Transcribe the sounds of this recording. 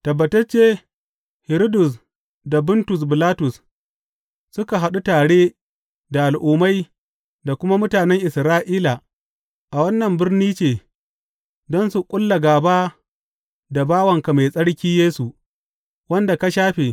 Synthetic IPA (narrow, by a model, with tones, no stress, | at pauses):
tɐ˨bːɐ˨tɐ˦rt͡ʃeː˦ | hɪ˨ɾo˦dʊ˨s̬ | da˨bʊ˦ntʊ˨s̬bɪ˨laː˦tʊ˨s | sʊ˦ka˨ɦa˨ɗu˦taː˨ɽeː˦ | da˨ʔa˨lʔuː˨ma˦j | da˨kʷʊ˦ma˦mʊ˦taː˨nɛ˦ŋʔɪ˨sɾaː˦ʔiː˦la˨ | ʔa˨wɐ˦nːɐ˨mbɪ˦rniː˦t͡ʃeː˨ | dɔ˦nsu˨kʷʼʊ˦lːɐ˨ɡaː˨baː˦ | da˨baː˦wɐ˨ŋka˨ma˨jsʼɐ˦ɽkʲiː˦jeː˦su˨ | wɐ˦nda˨ka˦ʃaː˦ɸeː˨